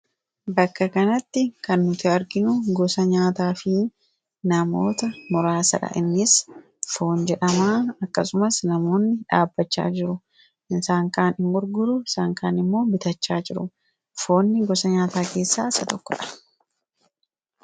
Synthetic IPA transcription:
bɐkːɐkɐnɐt̪ːɪkɐnːʊt̪ɪɐɾɡɪnʊɡɔsɐɲaːt̪aːfɪ | nɐmo̰ːt̪ɐmɔɾaːsɐ̰ᶑɐ̰ʔɪnːɪs | fo̞ːnd͡ʒɛᶑɐmaːɐkːɐsʊmɐsnɐmo̞ːnːɪᶑa̰ːbːɐt͡ʃːa̰ːd͡ʒɪɾʊ | ʔɪnsaːŋkaːnɪŋɡʊɾɡʊɾʊɪsaːŋkaːnɪmːo̞ːbɪt̪ɐt͡ʃːaːd͡ʒɪɾʊ | fo̞ːnːɪɡɔsɐɲaːt̪aːke̞ːsːa̰ːsɐt̪ɔkːɔᶑɐ̥

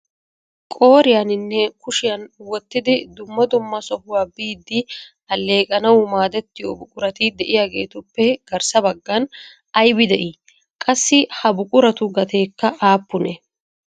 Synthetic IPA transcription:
kʼo̞ːɾɪjanɪnːɛkʊʃɪjɐnwɔt̪ːɪd̪ɪd̪ʊmːɐd̪ʊmːɐsɔhʊwaːbiːd̪ːɪ | ɐlːe̞ːkʼɐnɐwmaːd̪ɛt̪ːɪjoːbʊkʼʊɾɐt̪ɪd̪ɛʔɪjaːɡe̞̰ːt̪ʊpːɛɡ̥ɐɾsɐbɐɡːɐn | ɐjbɪd̪ɛʔi | kʼɐsːɪhɐbʊkʼʊɾɐt̪ʊɡɐt̪ʰe̞ːkːɐʔaːpːʊnɛ

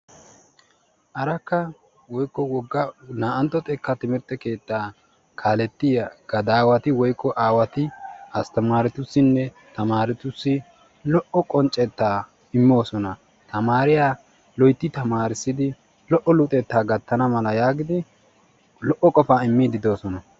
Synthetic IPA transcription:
ʔɐɾɐkːɐ | wɔjkːɔwɔɡːɐnaːʔɐnt̪ːɔt̪ʼɛkːɐt̪ɪmɪɾt̪ːɛke̞ːt̪ːaː | kʰaːlɛt̪ːɪjɐɡ̥ɐd̪aːwɐt̪ɪwɔjkːɔʔaːwɐt̪ɪɐst̪ɐmaːɾɛt̪ʊsːɪnːɛ | t̪ɐmaːɾɪt̪ʊsːɪ | lɔʔɔkʼɔnt͡ʃʼːɛt̪ːaː | ɪmːo̞ːsɔnɐ | t̪ɐmaːɾɪjaː | lɔjt̪ːɪt̪ɐmaːɾɪsːɪd̪ɪ | lɔʔːɔlʊt̪ʼɛt̪ːaːɡɐt̪ːɐnɐmɐlɐjaːɡɪd̪ɪ | lɔʔːɔkʼɔfaːɪmːid̪ɪd̪o̞ːsɔnɐ

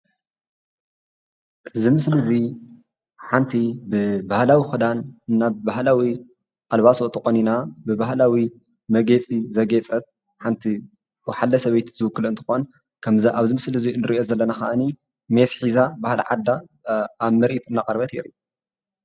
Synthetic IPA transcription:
ʔɨzimɨslɨzi | ħant̪ʰibɨbahlawixɨd̪annːabaɦlawi | ʔalβasot̪ʼɨxʼoninabɨbahlawi | mɐɡet͡sʼizɐɡet͡sʼɐt̪̚ | ħant̪ʰi | wɔħalːɐsɐβejt̪zɨwɨkːɨlɨnt̪ʰɨ̥xon | kʰɐmzʔaβzɨmɨslɨziɨnɨɾiʔo̞zɐlːɐnaxaʔɨni | mesħizabahl̰ʕad̪a | aβmɐɾʔit̪ɨnːakʼɐɾβɐt̪ʰḛɾḭ

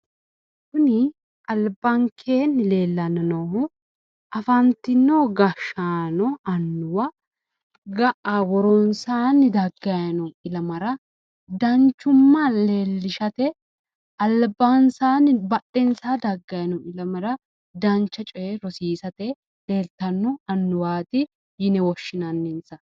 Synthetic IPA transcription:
kʊnɪ | ʔɐlbɐŋkʰeːnɪle̞ːlːɐnɐnɔhʊ | ʔɐfɐnt̪ɪnːoːɡɐʃaːnɔɐnːʊwɐ | ɡɐʔɐwɔɾonsaːnːɪd̪ɐɡːɐjɐnɔɪlɐmɐɾɐ | d̪ɐnt͡ʃːʊmːɐleːlːɪʃɐt̪ɛ | ɐlbansaːnɪbɐtːɛnsaːd̪ɐɡːɐjɐnɔɪlɐmɐɾɐ | d̪ɐnt͡ʃːɐt͡ʃʼɔɛɾɔsiːsɐt̪ɛ | leːlt̪ɐnːɔɐnːʊwaːt̪ɪ | jɪnɛwɔʃːɪnɐnːɪnsɐ

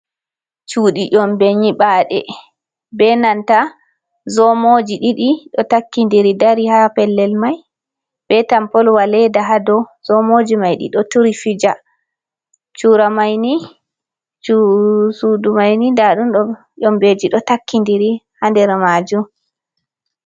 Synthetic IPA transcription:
t͡ʃuːɗiʔɔmbeɲiɓaɗɛ̰ | bɛnanta | zɔmod͡ʒiɗiɗiɗɔtakːindiɾidaɾihapɛlːɛlmaj | b̥ɛtampɔlwalɛdaɦadɔzɔmod͡ʒimajɗḭɗɔtuɾifid͡ʒa | t͡ʃuɾamajni | t͡ʃusudumajnidaɗunɗɔ | ʔɔmbed͡ʒiɗɔtakːindiɾihandɛɾmaːd͡ʒum

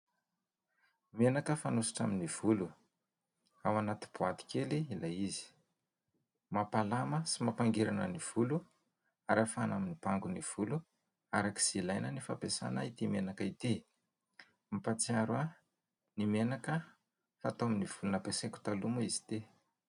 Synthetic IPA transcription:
menakəfanusḁʈ͡ʂaminiv̥ulu | awanat̪i̥b̥uat̪i̥kʲeliilajizi̥ | mapalaməsimapaŋɡeɾanə̰niv̥ulu | aɾafanaminipaŋɡuniv̥ulu | aɾaki̥z̥ilajnənifa̰pesa̰nait̪imenakait̪i | mipat͡siaɾua | nimenakə | fat̪oaminiv̥ulunapeseku̥t̪alumaiz̥i̥t̪e

